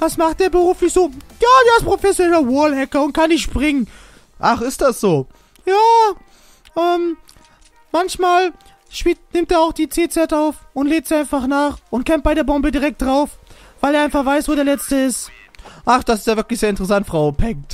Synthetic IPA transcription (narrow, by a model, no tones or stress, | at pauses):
vasmaχt̚d̥eːɐbəʁuːflɪçz̥oːjaːdeːɪstpʁ̥ofɛsjonɛlɐwɔɐlhɛkɐʊnt̚kʰanːɪçtʃpʁ̥ɪŋən | ʔaχɪstd̥asz̥oː | jaː | ʔɛːm | mançmaːl | ʃpiːtnɪmtdeːɐaʊxd̥iːt͡seːt͡sɛtaʊfʊntleːk̚tz̥iːʔaɪnfaχnaːχʔʊntkɛmt̚b̥aɪɾeːɐbɔmbədiːʁɛk̚t̚d̥ʁaʊfv̥aɪleːɐaɪnfaχv̥aɪsv̥oːɾeɐlɛt͡stəɪst | ʔaχd̥asɪstjaːvɪɐklɪçszeːɐɪntəʁɛs̬antfʁ̥aʊpʰɛŋt